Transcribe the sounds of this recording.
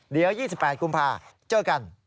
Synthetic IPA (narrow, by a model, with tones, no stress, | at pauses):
ɗi˨əwjiː˥˩sʰpaː˧˩c̚ku˧mpʰaː˧˩t͡ɕəː˧˩ka˧n